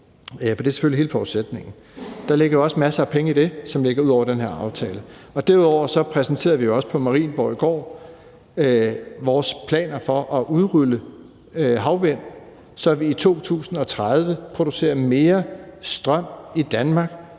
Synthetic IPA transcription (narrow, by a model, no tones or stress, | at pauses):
fɒd̥e̝æɐse̥føliɦe̝ːləfɒuðˠsed̥ne̝ŋn̩ | d̥ɑ̈le̝ɡ̥ɐjoɒ̽smæsɐæpʰeŋəid̥e̝sɒ̽mle̝ɡ̥ɐuð̰ˠɒ̰ʊ̰ɐd̥enɦeɐɑ̈ʊt͡sʰɛːləɒ̽d̥æɐuðˠɒʊɐsɒ̽pʰʁɛsn̩t͡sʰe̝̰ːɐʋijo̝ɒ̽sə̥pʰɒ̽mɑ̈ʁḭːnb̥ɒʊiɡ̥ɒ̰ː | ʋɒːspʰlɛ̰ːnɐfɒ̽ʔɒ̽ʔuð̞ˠʁylə | ɦɑ̈ʊʋen̰ | sɒ̽ʋiːt͡sʰo̝̰ːt͡sʰṵːsn̩ɒ̽t͡sʰʁað̞ˠʋəpʰʁo̝d̥use̝̰ːɐme̝ːɐsd̥ʁɶm̰id̥ænmɑ̈ːɡ̥